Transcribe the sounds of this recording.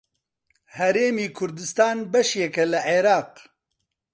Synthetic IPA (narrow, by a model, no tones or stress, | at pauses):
hɛɾeːmiːkʰʊɾd̪ɨst̪aːnbɛʃjɛkɛlɨʕeːɾɑːq